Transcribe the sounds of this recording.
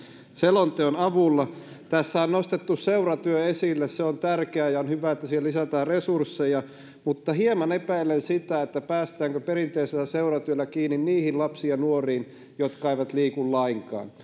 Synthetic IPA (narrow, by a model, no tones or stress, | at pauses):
selont̪eonɑʋulːɑ | t̪æsːæonnost̪et̪ːusseurɑt̪yøesilːesseont̪ærkeæjɑonhyʋæet̪ːæsielisæt̪æːrresursːejɑ | mut̪ːɑhiemɑnepæilːensit̪æet̪ːæpæːst̪æːŋkøperint̪eiselæseurɑt̪yølːækiːnːinniːhinlɑpsiɑnuoriːn | jot̪kɑeiʋɑt̪liːkulːɑiŋkɑ̰ːn